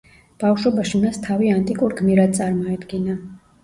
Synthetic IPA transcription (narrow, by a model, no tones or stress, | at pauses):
b̥afʃɔbaʃimast̪ʰaviant̪ʼikʼuɾɡmiɾad̪̚sʼaɾmɔɛd̪ɡina